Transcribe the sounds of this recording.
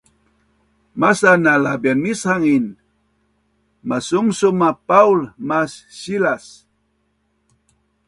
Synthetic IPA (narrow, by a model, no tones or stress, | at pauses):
masanalabjanmishaŋin | masumsumapaulmasːilas